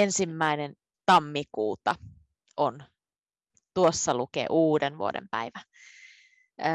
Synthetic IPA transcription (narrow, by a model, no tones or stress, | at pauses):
ensimːæinen | t̪ɑmːikuːt̪ɑ | ʔon | t̪uosːɑlukḛːʔuːdenʋṵo̰dḛmpæ̰iʋæ